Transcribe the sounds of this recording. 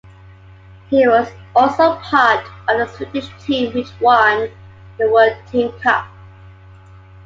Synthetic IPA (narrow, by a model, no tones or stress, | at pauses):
hiwɔz | ɔlˠsoʊpʰaˑtəvðəswɪtɪʃtʰĩmwɪt͡ʃwan | ðəwɜd̚tʰĩmkʰʌ̰p̚